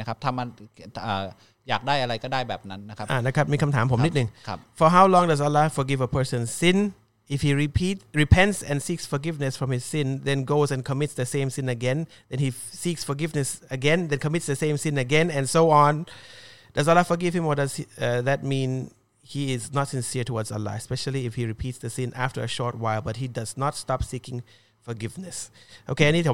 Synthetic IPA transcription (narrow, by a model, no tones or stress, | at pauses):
akʰap̚t̪ʰamanəː | ja̰ːk̚daːjʔaɾajkɔdaːjbɛ̰ːp̚nanːakʰaʔanakʰap̚miːkʰãmtʰaːmpʰomnit̚nɨ̃ŋkʰp̚fɔɦawlɔ̃ŋdaz̬əlafɔɡɪvəpʰə˞sə̃nsɪ̃n | ɪfhiːɹipʰitɹipʰɛ̃ntsɛ̃nsiksfɔɡɪvnɨsfɹɔ̃mhɪz̥sɪ̃nðɛ̃nɡoʊzɛ̃nkʰɔmɪtsðəsẽmsɪ̃nəɡɛ̃n | d̪ɛ̃nhisiksfɔɡɪvnɨsɨɡɛ̃nðɛ̃nkʰəmɪtsðɨsẽɪ̃msɪ̃nɨɡɛ̃nɨ̃nsoʊɔ̃n | d̥ʌzəlɑfə˞ɡɪv̥ɪ̃mɔdʌz̥ðɨt̚mĩn | hiɪznətsɨ̃nsiɹtʰəwɔdzə̰la̰ɛspɛʃl̩ˠiɪfhiɹɨpʰitsðɨsɪ̃nʔæftə˞ɨʃɔɹt̚waɪlˠbʌt̚ɦidʌznətstɑpsikɪ̃ŋ | fə˞ɡɪvnɨsʔo̰ʊkeaɪnid